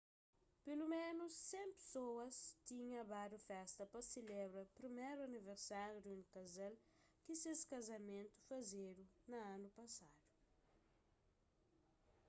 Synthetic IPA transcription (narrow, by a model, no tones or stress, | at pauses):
pelumẽnusːẽmpe̥sowɐst̪ĩɲɐ̃ɐbad̪ufɛst̪ɐpɐsilebɾɐpɾimeɾuɐniveɾsaɾjud̪uunikɐzɛl | kiseskɐzɐmẽnt̪u̥fɐzeɾunɐãnupɐsad̪u̥